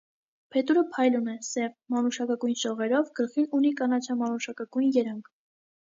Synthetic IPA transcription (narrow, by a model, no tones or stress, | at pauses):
pʰɛt̪uɾəpʰɑjlunɛsɛvmɑnuʃɑkɑkujnʃɔʁɛɾɔvɡ̥əlχinunikɑnɑt͡ʃʰɑmɑnuʃɑkɑkujnjɛɾɑŋkʰ